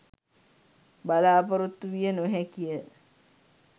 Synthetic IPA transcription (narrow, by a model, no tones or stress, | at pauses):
balaːpəɾut̪ːuʋijənoɦɛkijə